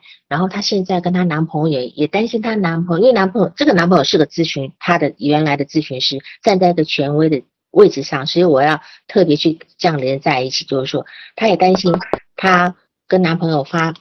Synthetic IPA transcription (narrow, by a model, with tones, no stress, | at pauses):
ɻa˧˥nxo˥˩ʊt̪ʰa˥ɕjɛ˥˧nt͡sa˥˩ɪkə˥nt̪ʰa˥na˧˥npʰɤ˧˥ŋɥɔ˧˥˩jɛ˨˩t̪a˥nɕi˥nt̪ʰa˥na˧˥npʰn˧˥npʰɤ˧˥jʊʈ͡ʂɤ˥˩ɡə˩na˧˥npʰɤ˧˥ŋjo˨˩ʊʂɻ̩˥˧˩ɡə˩t͡sɹ̩˥˩ɕy˧˥nt̪ʰa˥d̪ə˨˩ɥɛ˧˥nla˧˥ɪd̪ə˨t͡sɹ̩˥˩ɕy˧˥nʂɻ̩˥t͡sa˥˧nt͡sa˥˧ɪi˥ɡə˩t͡ɕʰɥɛ˧˥nwe˧˥ɪd̪ə˨ | we˥˩ɪʈ͡ʂɻ̩˧ʂɑ˥˩ŋswɔ˧˥i˧˥wɔ˨˩jɑ˥˧ʊt̪ʰɤ˥˩pjɛ˧˥t͡ɕʰy˥˧ʈ͡ʂjɑ˥˩ŋljɛ˧˥nt͡sa˥˧ɪi˥˩t͡ɕʰi̥˨˩t͡ɕjo˥˧ʊʂɻ̩˥˩ʂwɔ˥t̪ʰa˥jɛ˨˩t̪a˥nɕi˥nt̪ʰa˥ | kə˥na˧˥npʰɤ˧˥ŋjo˨˩ʊfa˥